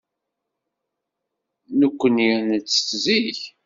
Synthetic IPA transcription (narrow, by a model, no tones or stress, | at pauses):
nəkʷːənjænət͡sːə̥θziç